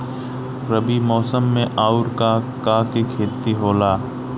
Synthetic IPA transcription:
ɾəbimɔːsəmːẽʔaːʊɾka | kaːkikʰeːt̪ːiɦoːlaː

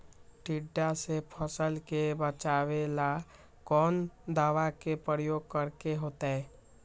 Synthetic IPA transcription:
ʈiɖːasepʰəsəlkebət͡ʃaːwela | kɔːnd̪aːʋakepɾəɾjoːɡ̚kəɾkeɦoːt̪aɦɛː

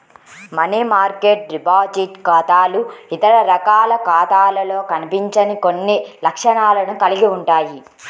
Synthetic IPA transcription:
mɐniːmaːɾkeːʈ̚ɾipaːd͡ʒiʈkaːt̪aːluit̪ɐɾɐɾɐkaːlɐkaːt̪aːlɐlo̞ːkɐnipiɲt͡ʃɐnikonːilɐkʂɐɳaːlɐnukɐliɡiuɳʈaːji

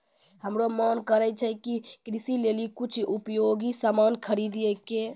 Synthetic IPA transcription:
həmɾomənkəɾɛt͡ʃʰɛkikɾisilelikut͡ʃʰupjoɡisamankʰəɾid̪ɛke

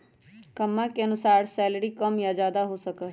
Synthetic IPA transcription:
kəmːãːkeənʊsaːɾsɛːləɽiːkəmjaːd͡ʒjaːd̪aːɦoːsəkə

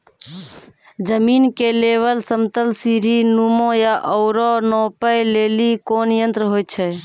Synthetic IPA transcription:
d͡ʒəminkeleβəlsəmt̪əlsiɾinumõjaʔɔʊɾɔnɔpəjlelikonjənt̪ɾəɦojtt͡ʃʰɛ

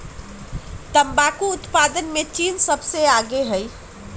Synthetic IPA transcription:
t̪əmbakuːt̪pad̪ənmet͡ʃinsəbʱseaɡeɦəj

